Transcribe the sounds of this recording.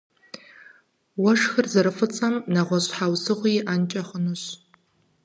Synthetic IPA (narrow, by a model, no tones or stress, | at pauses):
wɐʂxɨrzɐɾɨfɨt͡sʼɐmnɐʁʷɔɕʼħawsɨʁʷijʔant͡ʃʼɐχənuɕ